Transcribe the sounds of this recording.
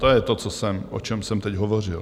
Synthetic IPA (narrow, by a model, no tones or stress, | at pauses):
t̪ojɛt̪ot͡sosɛmʔo̰t͡ʃɛmsɛmt̪ɛɟɦovor̝ɪl